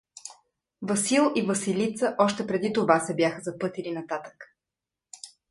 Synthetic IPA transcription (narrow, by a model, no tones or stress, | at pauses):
vɐsilˠivəsilit̪səʔɔʃt̪ɛpɾɛd̪it̪ovasɛbʲjaxəzɐpɤt̪ilinɐt̪at̪ə̥k